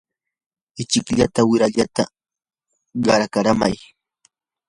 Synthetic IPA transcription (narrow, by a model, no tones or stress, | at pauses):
ɪt͡ʃɪkʎat̪awɪɾaʎat̪a | ɢɑɾakaɾamaj